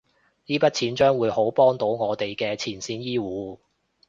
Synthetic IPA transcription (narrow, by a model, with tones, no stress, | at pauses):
jiː˥pɐ˥t̚t͡sʰiː˨˥nt͡ʃœː˥ŋwuː˨˧jho˨˥wpɔː˥ŋt̪o˨˥wŋɔː˨˧t̪e˨jkɛː˧t͡sʰiː˨˩nsiː˨˥njiː˥wuː˨˧˦